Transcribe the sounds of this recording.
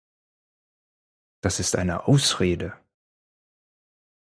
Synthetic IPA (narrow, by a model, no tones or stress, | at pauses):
d̥asɪstʔa̰ɪnəʔaʊsʁeːdə